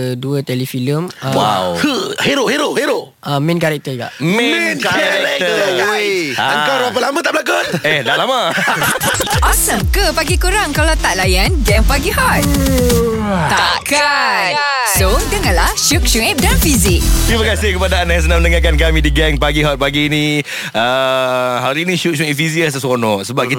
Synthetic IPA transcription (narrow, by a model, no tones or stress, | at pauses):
duət̪ɛlifiləmwa̰whəheɾoheɾoheɾo | ʔamɛ̃nkaɾɛk̚t̪əuɡa̰mɛnkaɛkt̪əweəŋkawɾapalamãt̪aʔbəlakonɛhdaʔlama | ʔɔsəmkəpaɡikuɾaŋkalawt̪aʔlajanɡɛ̃ŋpaɡihɔt̪̚ | t̪aka | ssodəŋãnlahʃuk̚ʃuŋɛp̚danfizik̚kimakasɪhkəpadaːnãjs̬ənãmənəŋak̬ank̬amĩdiɡɛŋpaɡiɦɔt̪̚paɡini | ə | ɦaɾinĩʃuk̚ʃuŋɛp̚fiziəsəsɔnɔʔsəbap̚ki